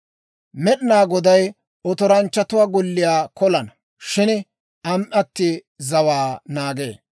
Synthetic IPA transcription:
mɛɗɪnaːɡɔd̪ɐj | ɔt̪ɔɾɐnt͡ʃːɐt̪ʊwaːɡɔlːɪjaːkɔlɐnɐ | ʃɪn | ʔɐmʔɐt̪ːɪ | zɐwaːnaːɡḛː

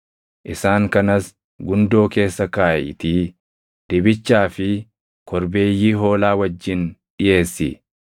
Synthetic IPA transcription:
ʔɪsaːŋkɐnɐs | ɡʊnd̪o̞ːke̞ːsːɐkaːjɪ̰t̪i | d̪̥ɪbɪt͡ʃːaːfɪ | kɔɾbe̞ːjːiːɦo̞ːlaːwɐd͡ʒːɪnᶑɪje̞ːsːɪ

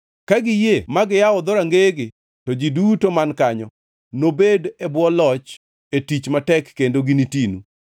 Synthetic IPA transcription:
kaɡɪjemaɡɪjaɔd̪oɾaŋɡeɡɪ | tɔd͡ʒidutomankaɲɔ | nobedɛbwɔlɔt͡ʃ | etit͡ʃmatɛkːendoɡinitinu

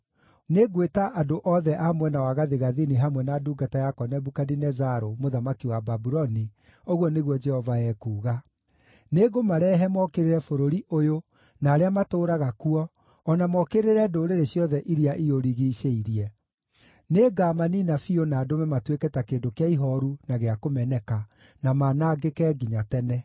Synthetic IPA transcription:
neɡwetaʔadoʔɔðɛʔamwɛnawaɣaðeɣaðiniɦamwɛnaduɡatajakɔnɛbukadinɛzaɾomoðamakiwababuɾɔni | oɣwɔneɣwɔd͡ʒɛhɔvaɛkuːɣa | neɡomaɾɛːɦɛmɔkeɾeɾɛfoɾoɾiʔojo | naːɾeamatoːɾaɣakuɔː | namɔkeɾeɾɛdoɾeɾeɕjɔðɛʔiɾiaʔioɾiɣiʃeiɾiɛ | neɡaːmaninafionaːdomɛmatwetkɛtakedokeaiɦɔɾunaɣeakomɛnɛka | namanaːɡekɛɡiɲatɛnɛ

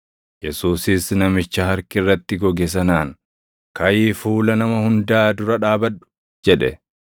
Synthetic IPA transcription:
jɛsuːsɪsnɐmɪt͡ʃːɐhɐɾkɪrːɐt̪ːɪɡɔɡɛs̬ɐnaːŋ | kɐjiːfuːlɐnɐmɐhʊnd̪aːd̪ʊɾɐᶑaːbɐᶑʊ̥ | d͡ʒɛᶑɛ̰

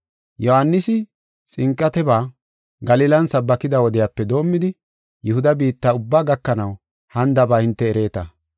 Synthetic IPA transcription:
jɔhanːɪsɪ | t͡sʼɪŋkʼːɐt̪ɛbaː | ɡɐliːlɐnsɐbːɐkɪd̪ɐwɔd̪ɪjaːpːɛd̪o̞ːmːɪd̪ɪ | jɛhʊd̪ɐbiːt̪ːaːʊbːaːɡɐkːɐnɐw | hɐnd̪ɐbaːhɪnt̪ːɛːɾe̞ːt̪ɐ̰

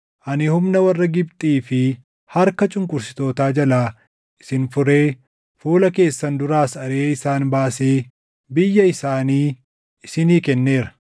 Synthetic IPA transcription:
ʔɐnɪhʊmnɐwɐrːɐɡɪbt̪ʼiːfɪ | hɐɾkɐt͡ʃʼʊŋkʼʊɾsɪ̥t̪o̞ːt̪aːd͡ʒɐlaː | ʔɪ̥sɪnfʊɾe̞ː | fuːlɐke̞ːsːɐnd̪ʊɾaːsɐɾeːɪsaːnbaːseː | bɪjːɐɪsaːniː | ɪsɪniːkɛnːe̞ːɾɐ̥

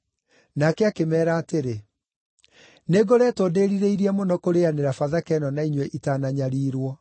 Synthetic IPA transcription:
nakɛakemɛːɾaːteɾe | neɡoɾɛtodeːɾiɾeiɾiɛmonɔkoɾeaneɾafaðakɛnɔnaiɲwɛʔitanaɲaɾiːɾwɔ

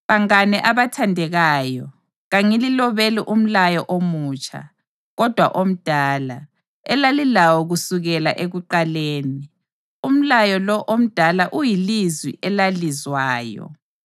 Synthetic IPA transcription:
βaŋanɛʔaβatʰandʱɛɣaːjɔ | ɣaŋililɔβeliʔum̩lajɔʔomuːt͡ʃʼa̰ | ɣɔd̥ʱwa̰ʔom̩d̥ʱaːla | ɛlalilawɔɣusuɣɛla̰ʔeɣuǃaleːni | um̩lajɔlɔʔom̩d̥ʱalaʔujilizwḭʔɛlalizwaːjɔ̰

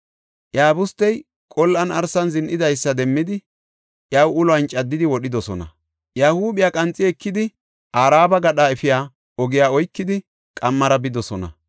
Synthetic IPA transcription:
ʔjaːbʊst̪ːɛj | kʼɔlːʔɐnɐɾsɐnzɪnʔɪd̪ɐjsːɐd̪ɛmːɪd̪ɪ | ʔjawʊlɔɐnt͡ʃʼːɐd̪ːɪd̪ɪwɔɗɪd̪ɔsɔnɐ̰ | jaːhuːbɪjaːkʼɐnt͡sʼːɪɛkːɪd̪ɪ | ʔaːɾaːbɐɡɐɗaːɛfɪjaː | ɔɡɪjaːɔjkːɪd̪ɪ | kʼɐmːɐɾɐbɪd̪ɔsɔnɐ̰

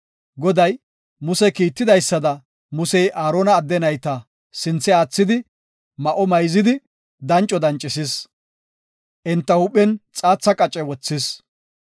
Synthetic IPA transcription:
ɡɔd̪ɐj | mʊsɛkiːt̪ːɪd̪ɐjsːɐd̪ɐ | mʊsɛjʔaːɾoːnɐːd̪ːɛnɐjt̪ɐ | sɪnt͡sːɛaːt͡sːɪd̪ɪ | mɐʔɔmɐjzɪd̪ɪ | d̪ɐnt͡ʃʼːɔd̪ɐnt͡ʃʼːɪsɪs | ʔɪnt̪ːɐhʊpʼːɛnt͡sʼaːt͡sːɐkʼɐt͡ʃʼɛwɔt͡sːɪs

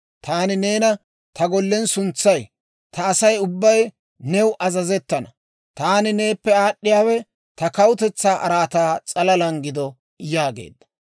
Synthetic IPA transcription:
t̪aːnɪneːnɐ | t̪ɐɡɔlːɛnsʊnt͡sːɐj | t̪ʰɐːsɐjʊbːɐj | nɛwʊʔɐzɐzɛt̪ːɐnɐ | t̪aːnɪne̞ːpːɛaːɗːɪjaːwɛ | t̪ɐkɐwʊt̪ɛt͡sːaːʔɐɾaːt̪aːt͡sʼɐlɐlɐŋɡɪd̪ɔ | jaːɡḛːd̪ːɐ̥

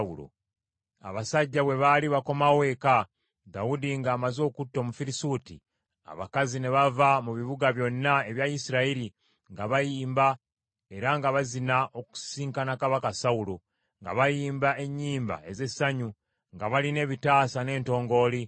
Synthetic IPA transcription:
ulo̰ | a̰βasaɟːaβwe̞βaliβako̞mawe̞ka | dawudiŋɡaːmazo̞ːkutːo̞mufiɾisuːtḭ | a̰βa̰kazine̞βavamuβiβuɡaβjo̞nːae̞βjajisiɾaiɾi | ŋɡaβajiːmba | e̞ɾaŋɡaβazinaʔo̞ku̥siːŋkanakaβakasaulo | ŋɡa̰βajiːmbae̞ɲːiːmba̰e̞ze̞saɲu | ŋɡaβaline̞ːβitaːsane̞ːnto̞ːŋɡo̞ːli

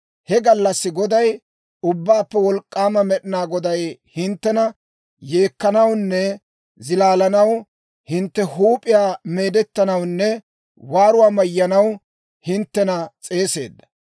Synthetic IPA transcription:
hɛɡɐlːɐsːɪɡɔd̪ɐj | ʊbːaːpːɛwɔlkʼːaːmɐmɛɗɪnaːɡɔd̪ɐjhɪnt̪ːɛnɐ | je̞ːkːɐnɐwnːɛ | zɪlaːlɐnɐw | hɪnt̪ːɛhuːpʼɪjaːme̞ːd̪ɛt̪ːɐnɐwnːɛ | waːɾʊwaːmɐjːɐnɐw | hɪnt̪ːɛnɐt͡sʼe̞ːse̞̰ːd̪ːɐ

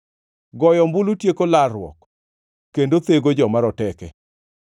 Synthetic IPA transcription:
ɡɔjɔmbulutjekolarwɔ̰k | kːendot̪eɡod͡ʒɔmaɾɔtɛkɛ

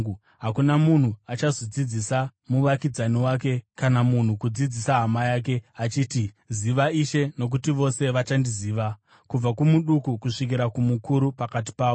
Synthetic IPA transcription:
ɦakunamun̤uat͡ʃazod͡zid͡zisamuʋakid͡zaniwaːke̞kanamun̤ukud͡zid͡zisaɦamajaːk̬e̞at͡ʃiːti | ziʋaiʃe̞no̞k̬utiʋo̞se̞ʋat͡ʃandiziːʋa | kub͡vakumuɗukukuʂik̬iɾakumukuɾupakat̬i̥paːu

